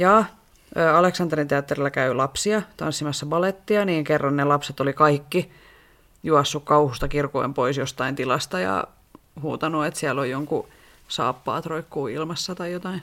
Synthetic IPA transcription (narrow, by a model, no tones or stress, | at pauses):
jɑː | əːɑleksɑnt̪erint̪eɑt̪ːerilːækæylɑpsiɑt̪ɑnsːimɑsːɑbɑlet̪ːiɑniːŋkerːɑnnelɑpset̪olikɑikːi | juɑsːukkɑuhust̪ɑkirko̰impoisjost̪ɑint̪ilɑst̪ɑjɑ̰ | huːt̪ɑnuet̪siælːojjoŋku | sɑ̰ːpːɑ̰ːt̪roikːuːilmɑsːɑt̪ɑijot̪ɑin